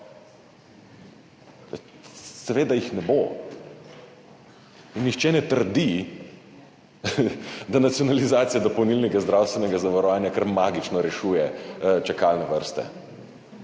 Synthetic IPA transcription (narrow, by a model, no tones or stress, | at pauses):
sɛʋeːd̪ajixnɛbo | inːixt͡ʃɛnɛt̪əɾd̪i | d̪anat̪sjɔnalizaːt̪sijad̪ɔpownilnɛɡazd̪ɾawst̪ʋɛnɛɡazaʋaɾɔʋaːnjakɐɾmaːɡit͡ʃnɔɾɛʃuːjɛt͡ʃakalnɛʋəɾst̪ɛ̰